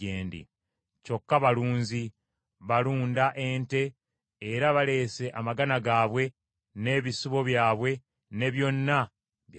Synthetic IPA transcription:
eːndḭ | co̞kːaβaluːnzi | βaluːndaʔe̞ːnte̞ː | ɾaβale̞ːse̞ʔamaɡanaɡaːβwe̞ | ne̞ːβisiβo̞βjaːβwe̞ | ne̞βjo̞nːa

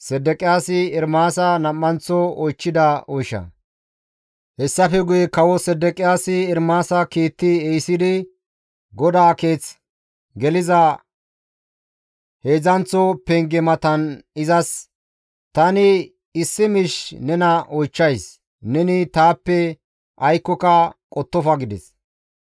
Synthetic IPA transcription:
sɛd̪ːɛkʼɪjaːsɪɪɾmaːsɐnɐmːɐnt͡sːɔɔjt͡ʃːɪd̪ɐɔjʃɐ̰ | hɛsːɐfɛɡʊjɛkɐwɔsɛd̪ːɛkʼɪjaːsɪːɾmaːsɐkiːt̪ːɪɛjsɪd̪ɪ | ɡɔd̪aːkeːt͡s | ɡɛlɪzɐ | he̞ːzɐnt͡sːɔpɛŋɡɛmɐt̪ɐnɪzɐs | t̪ɐnɪ | ɪsːɪmɪʃnɛnɐɔjt͡ʃːɐjs | nɛnɪt̪aːpːɛ | ʔɐjkːɔkɐkʼɔt̪ːɔfɐɡɪd̪ɛs

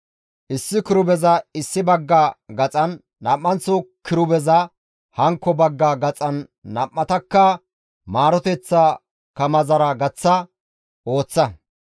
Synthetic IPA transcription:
ʔɪsːɪkɪɾʊbɛzɐɪsːɪbɐɡːaɡɐt͡sʼɐnː | ɐmːɐnt͡sʊkɪɾʊbɛzɐ | hɐŋkːɔbɐɡːaɡɐt͡sʼɐnː | ɐmːɐt̪ɐkːɐ | maːɾɔt̪ɛt͡sːa | kɐmɐzɐɾɐɡɐt͡sːɐ | ʔo̞ːt͡sːɐ

